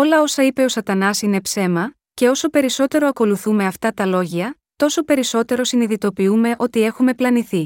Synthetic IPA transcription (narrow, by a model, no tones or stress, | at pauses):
o̞lɐo̞sɐipe̞o̞sɐt̪ɐnɐsine̞pse̞mɐ | ce̞o̞so̞pe̞ɾiso̞t̪e̞ɾo̞ɐko̞luθume̞ɐft̪ɐt̪ɐlo̞ʝiɐ | t̪o̞so̞pe̞ɾiso̞t̪e̞ɾo̞siniðit̪o̞piume̞ʔo̞t̪ie̞xume̞plɐniθi